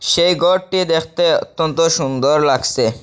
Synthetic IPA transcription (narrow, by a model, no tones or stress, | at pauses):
ʃejɡɔɖ̚ʈid̪ekʰt̪eot̪ːont̪oʃund̪oɾlaɡse